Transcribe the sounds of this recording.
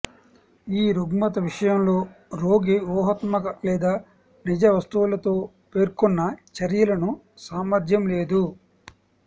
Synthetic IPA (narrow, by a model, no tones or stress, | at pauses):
iːɾuɡmɐt̪ɐʋiʂɐjɐmlo̞ːɾo̞ːɡiʋɔːɦɐt̪mɐkɐlɛːd̪aː | nid͡ʒɐʋɐst̪uʋulɐt̪o̞ː | pe̞ːɾkɔnːɐt͡ʃɐɾjɐlɐnu | saːmɐɾd̪ʱjɐmle̞ːd̪u